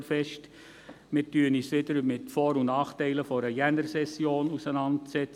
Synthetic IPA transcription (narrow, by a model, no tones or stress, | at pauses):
fɛʃt | mɪɾtyːənisʋɪdəɾmɪtfɔːɾʊnnɑːχtɛɪləfɔɾəjɛnəɾsɛsjoːnusənɑntsɛt͡s